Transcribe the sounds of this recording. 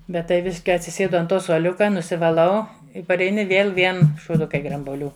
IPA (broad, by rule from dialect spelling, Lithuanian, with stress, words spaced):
ˈbʲɛt tɐɪ ˈʋʲɪʃ kɐɪ ɐtʲsʲɪˈsʲeːdʊ ɐnt ˈtoː suɔˈlʲʊkɐ nʊsʲɪʋɐˈlˠɐʊ pɐrʲɛɪˈnʲɪ ˈʋʲeːlˠ ˈʋʲiɛn ʃuːˈdʊkɐɪ ɡrɐmbuɔˈlʲuː